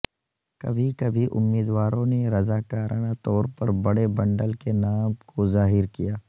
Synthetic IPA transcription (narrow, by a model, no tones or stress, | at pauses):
kɐ̰bʱikɐbʱiʔʊ̰mːiːd̪waːɾõneɾɐzaːkaːɾʔaːnat̪ɔːɾpɐɾbɐɽebɐ̃ɳɖəlkenaːmkozaːɦɪɾkijaː